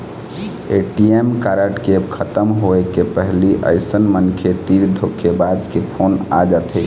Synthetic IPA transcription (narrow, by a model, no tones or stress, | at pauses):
eʈiemkaɾəʈkekʰət̪əmɦoekepəɦliʔə̰ɪsənmənkʰet̪iɾd̪ʱokʰːebad̪kepʰona̰d͡ʒat̪ʰe